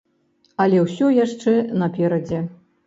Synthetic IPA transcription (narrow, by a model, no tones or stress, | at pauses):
ɐlʲɛwsʲɔjaʂt͡ʂɛnɐpʲɛɾɐd͡zʲɛ